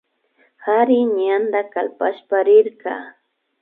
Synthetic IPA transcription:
haɾɪɲand̪akalpaʃpaɾɪɾkɑ̰

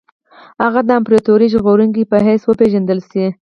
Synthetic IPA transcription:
haɣad̪əampɾet̪oɾiʒɣoɾuŋkipəɦeswəpeʒand̪əlʃi

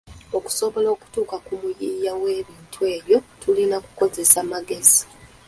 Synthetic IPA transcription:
o̞ku̥so̞βo̞lo̞ːku̥tuːkakumujijawe̞ːβiːntʰue̞ːβjo̞tulinaku̥ko̞ze̞samaɡe̞zi̥

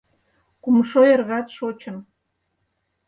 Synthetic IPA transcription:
kumʃojerɣɑt̪ʃot͡ɕə̆m

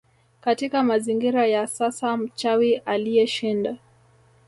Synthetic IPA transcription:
katikamaziŋɡiɾajasasam̩t͡ʃawiʔalijɛʃinda

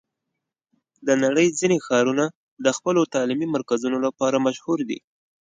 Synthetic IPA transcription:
d̪ənaɽəjzinexɑɾuna | d̪əxpəlot̪ɑlimimaɾkazunolapɑɾamaʃhuɾd̪ḭ

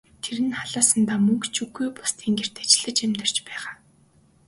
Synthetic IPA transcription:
t̪ʰeɾɘ̆nχaɮaːsə̆nt̪aːmɵŋkt͡ɕʰuɡujpʊ̥st̪ʰiːŋɡer̥t̪ḁt͡ɕɪ̆ɮə̆t͡ɕemt̪ə̆r̥t͡ɕpæːʁaː

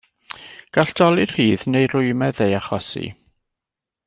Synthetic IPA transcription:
ɡ̥aɬd̥ɔlˠir̥hiːðnejrʊɨmɛðejaχɔsḭ

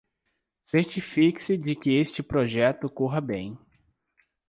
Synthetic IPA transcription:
seɾt͡ʃifikɪ̥sɪd͡ʒɪkɪest͡ʃɪpɾoʒɛt̪ʊkoɦɐbẽj̃

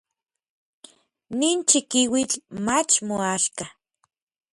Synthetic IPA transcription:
niːnt͡ʃikiwit͡ɬmat͡ʃmoaʃka

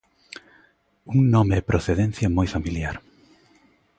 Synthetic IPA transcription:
uŋnɔmeːpɾʔoθeðen̟θjɐmojfamiljaɾ

